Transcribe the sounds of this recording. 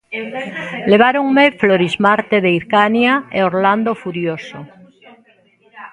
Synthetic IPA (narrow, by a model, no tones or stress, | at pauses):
leβ̞aɾoŋmefloɾizmaɾt̪eðeiɾkanjaeoɾland̪ofuɾjoso